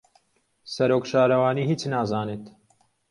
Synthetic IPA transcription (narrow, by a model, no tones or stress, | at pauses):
sɐɾoːkʃaːɾɐwaːniːhiːt͡snaːzaːneːt̪